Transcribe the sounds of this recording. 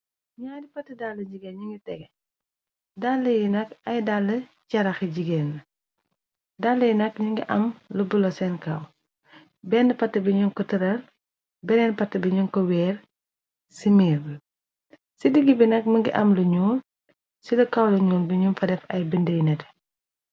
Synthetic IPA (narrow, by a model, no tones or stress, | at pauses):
ɲaːdipɐtːidalːɐd͡ʒiɡenɲuŋɡitɛɡɛ | dalːɐjinɐkɐjdalːɐcɐɾɐxiɟiɡɛːnːɐ | dalːɐjinɐk̚ɲuŋɡiʔɐ̰mlubulɔsɛnkɐw | bɛndɐpɐtːɐbiɲuŋkɔtəɾɐl | bɛɾɛnpɐtːɐbiɲuŋkɔwɛːr | simiːɾbə | sidiɡibinɐk̚məŋɡḭʔɐmluɲuːl | silɐkɐwlɐɲuːlbiɲumfɐdɛfɐjbindəjinɛtɛ̥